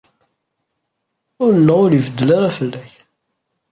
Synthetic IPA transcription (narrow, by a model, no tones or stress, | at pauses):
ʊɾəlːəʁʊɾivəd̪ːəlaɾafəlːæç